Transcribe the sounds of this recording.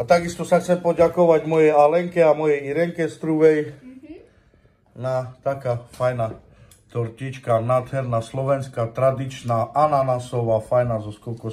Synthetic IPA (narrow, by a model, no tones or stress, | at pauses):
at̪aɡist̪ɔsaxt͡sɛmpɔɟakɔʋaɟmɔjɛjalɛŋkɛamɔjɛjiɾɛŋkɛst̪ɾuʋɛj | nat̪akaːfajna | t̪ɔɾcit͡ʃkanaːd̪ɦɛɾnaslɔʋɛnskat̪ɾad̪it͡ʃnaʔananasɔʋafajnazɔskɔlkɔ